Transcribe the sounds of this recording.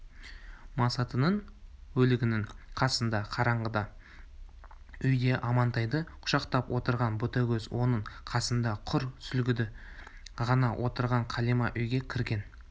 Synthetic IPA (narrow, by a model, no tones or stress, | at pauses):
mɑsɑt̪ənəɴwɵlɪɡʲɪnɪŋqʰɑsənd̪ɑqʰɑɾɑɴʁəd̪ɑ | ʏjd̪e̞ʔɑmɑnt̪ɑjd̪əqʰʊ̥ʃɑqt̪ɑpwo̞t̪əɾʁɑnbʊt̪ɑɡʲɵzwo̞nəɴqʰɑsənd̪ɑqʰʊɾsʏlɡʲɪd̪ɪ | ʁɑnɑwʔot̪əɾʁɑɴqʰɑlijmɑʔʏjɡʲe̞kʲʰɪɾɡʲe̞n